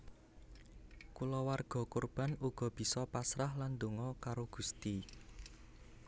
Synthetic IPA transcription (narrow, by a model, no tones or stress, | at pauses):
kulɔwarɡ̥ɔ̤kurb̥a̤nuɡ̥ɔ̤b̥i̤sɔpasɾahland̪oŋɔkaɾoɡ̥ṳst̪i